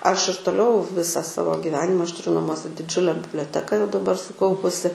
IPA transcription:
ɐʃ ɪr toːˈlʲɛʊ ˈʋʲɪsɐ ˈsɑːʋoː ɡʲɪˈʋʲæːnʲɪmɐ ɐʃ tʊˈrʲʊ nɐˈmuɔsʲɛ sʊ dʲɪˈd͡ʒʲʊlʲɛ bʲɪbʲlʲoːˈtʲæːkɐ jɛʊ dɐˈbɐr sʊˈkɐʊpʊsʲɪ

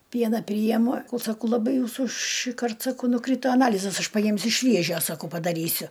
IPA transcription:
ˈpʲiɛnɐ ˈpʲrʲiːjɛmʊ sɐˈkɐʊ lˠɐˈbɐɪ ˈjuːsuː ʃʲiːˈkɐrt sɐˈkɐʊ nʊˈkrʲiːtoː ɐˈnɑːlʲɪzɐs ˈɐʃ pɐˈjɪmʲsʲʊ ˈʃʲʋʲiɛʒʲoː sɐˈkɐʊ pɐdɐˈrʲiːsʲʊ

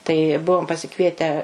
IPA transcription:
tɐɪ ˈbʊʋoːm pɐsʲɪˈkʋʲiɛtʲæː

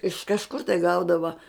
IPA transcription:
ɪʃ kɐʃˈkʊr tɐɪ ˈɡɐʊdɐʋɐ

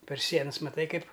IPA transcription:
pʲɛr ˈsʲiɛnɐs mɐˈtɐɪ ˈkɐɪp

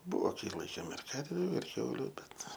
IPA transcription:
ˈbʊʋoː ˈkɐɪ ˈlˠɐɪkʲeːm ɪr ˈkɐrʲʋʲʊ ɪr ˈkʲɛʊlʲʊ ˈbʲɛt

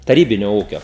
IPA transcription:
tɐˈrʲiːbʲɪnʲoː ˈuːkʲoː

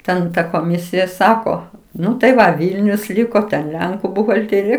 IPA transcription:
ˈtʲɛn ˈtɐ koːˈmʲɪsʲɪjɛ ˈsɑːkoː ˈnʊ tɐɪ ˈʋɐ ˈʋʲiːlʲnʲʊs ˈlʲɪkoː tʲɛn ˈlʲɛŋkʊ bʊɣɐlʲˈtʲeːrʲɪjɛ

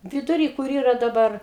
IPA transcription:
ʋʲɪdʊˈrʲiː kʊr ˈiːrɐ dɐˈbɐr

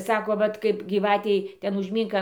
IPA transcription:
ˈsɑːkoː ˈʋɐt kɐɪp ɡʲiːˈʋɑːtʲɛɪ ˈtʲɛn ʊʒʲˈmʲiːŋk

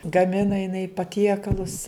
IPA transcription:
ɡɐˈmʲɪnɐ jɪˈnɐɪ pɐˈtʲiɛkɐlˠʊs

